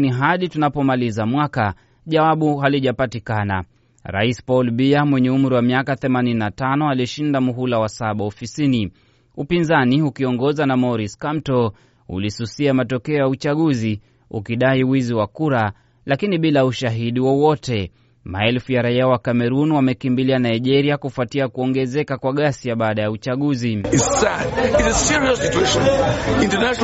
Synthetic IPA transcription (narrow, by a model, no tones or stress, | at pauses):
niɦaɗitunapɔmalizamwaka | ʄawaɓuɦaliʄapatikana̰ | ɾa̰ispɔlɓiamwɛɲɛum̩ɾiwamiakaθɛmanininatanɔaliʃindamuɦulawasaɓaɔfisini | upinzaniukiɔŋɡɔzanamɔɾiskamtɔ | ṵlisusiamatɔkɛɔjaut͡ʃaɠuzi | ṵkiɗaiwiziwakuɾa | lakiniɓilauʃaɦiɗiwɔwɔtɛ | maɛlfujaɾaiawakamɛɾunwamɛkimbilianaiʄɛɾiakufatiakuɔŋɡɛzɛkakwaɠasiaɓaːɗajaut͡ʃaɠuziisanizəsiuɹiɔsitueʃɔ̃nĩntənaʃ